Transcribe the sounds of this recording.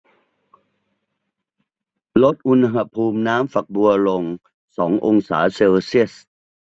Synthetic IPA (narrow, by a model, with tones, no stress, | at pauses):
lo˦˥t̪̚ʔu˧nɦa˧pʰuː˧mnaː˦˥mfa˨˩k̚bu˧ɐlo˧ŋ | sɔː˩˦ŋʔo˧ŋsa̰ː˩˦seː˧wsi˥˩əs